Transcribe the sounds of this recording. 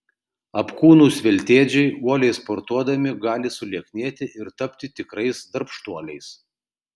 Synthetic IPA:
ɐpkuːnuːsʋʲɛlʲt̪ʲeːd͡ʒʲɛɪuɔlʲɛɪspɔɾt̪uɔd̪ɐmʲɪɡɑːlʲɪsʊlʲiɛknʲeːt̪ʲɪʔɪɾt̪ɐpʲt̪ʲɪt̪ʲɪkɾɐɪsd̪ɐɾpʃt̪uɔlʲɛɪs

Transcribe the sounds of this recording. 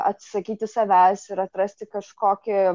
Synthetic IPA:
ɐ̰t̪ʲsʲsɐkʲiːt̪ʲɪsɐʋʲæsɪɾɐt̪ɾɐsʲt̪ʲɪkɐʃkoːkʲɪ

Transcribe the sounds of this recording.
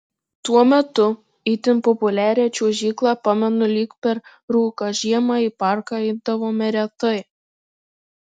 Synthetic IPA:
t̪uɔmʲɛt̪ʊ | it̪ʲɪnpɔpʊlʲæːɾʲɛːt͡ʃʲuɔʒʲiːklˠɑːpɑmʲɛnʊlʲiːkpʲɛɾ | ɾuːkɑʒʲiɛmɑːiːpɑˑɾkɑɛɪb̚d̪ɐʋoːmʲɛɾʲɛt̪ɐɪ

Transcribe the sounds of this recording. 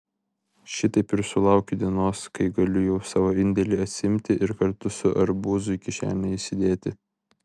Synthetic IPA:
ʃʲɪt̪ɐɪpɪɾsʊlˠɐˑʊkʲʊd̪ʲiɛnoːskɐɪɡɐlʲʊjɛʊsɑːʋoːɪnʲd̪ʲɛlʲiːɐt̪ʲsʲɪɪmʲt̪ʲɪʔɪɾkɐɾt̪ʊsʊʔɐɾbuːzʊikʲɪʃʲæ̰ːnʲɛisʲɪd̪ʲeːt̪ʲɪ

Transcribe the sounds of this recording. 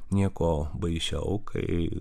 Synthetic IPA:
nʲiɛkoːbɐɪʃʲɛ̰ʊkʰɐ̰ɪ

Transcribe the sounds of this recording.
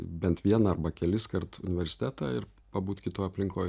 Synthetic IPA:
bʲɛnt̪ʋʲiɛnɐɐɾbɐkʲɛlʲɪskɐɾt̪ʊnʲɪʋʲɛɾʲsʲɪ̥t̪ʲæːt̪ɑːɪɾ | pɐbuːt̪kʲɪt̪oːjɐpʲlʲɪŋkoːj

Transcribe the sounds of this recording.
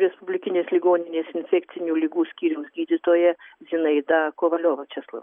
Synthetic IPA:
ɾʲɛspʊbʲlʲɪkʲɪnʲeːslʲɪɡoːnʲɪnʲeːsɪnʲfʲɛkt̪t͡s̪ʲɪnʲuːlʲɪɡuːsʲkʲiːɾʲɛmsɡʲiːd̪ʲɪt̪oːjɛzʲɪnɐɪd̪ɑkoːʋɐlʲoːʋɐt͡ʃʲɛslˠɐ̰

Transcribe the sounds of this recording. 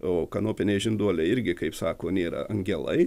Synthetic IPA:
oːkɐnoːpʲɪnʲɛɪʒʲɪnd̪uɔlʲɛɪɾʲɡʲɪkɐɪpsɑːkoːnʲeːɾɐ̰ʔɐŋʲɡʲɛlˠɐ̰ɪ

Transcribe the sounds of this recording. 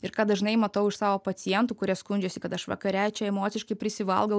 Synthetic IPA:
ɪɾkɑːd̪ɐʒnɐɪmɐt̪ɐʊɪʃsɑːʋoːpɐt̪sʲɪjɛnt̪uːkʊɾʲiɛskʊnʲd͡ʒʲoːsʲɪkɐt̪ɐʃʋɐ̰kɐɾʲæt͡ʃʲɛɛmoːt̪sʲɪʃkɐɪpʲɾʲɪsʲɪʋɐ̰lˠɡɐʊ

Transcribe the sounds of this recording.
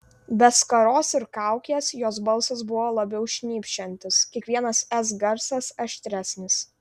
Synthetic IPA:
bʲɛskɐɾoːsɪɾkɑˑʊkʲeːsjoːsbɐlˠsɐs̬bʊʋoːlˠɐbʲɛʊʃʲnʲiːpʲʃʲt͡ʃʲɛnʲt̪ʲɪskʲiɛkʋʲiɛnɐsɛsɡɐɾsɐsɐʃʲt̪ʲɾʲæsʲnʲɪs

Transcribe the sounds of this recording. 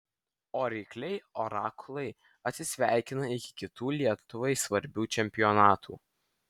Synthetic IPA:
oːɾʲiːklʲɛɪɔɾɑːklˠɐɪ | ɐt̪ʲsʲɪsʲʋʲæˑɪkʲɪnɐɪkʲɪ̥kʲɪt̪uːlʲiɛt̪ʊʋɐɪsʋɐɾʲbʲuːt͡ʃʲɛmʲpʲɪjɔnɑːt̪ʰṵː

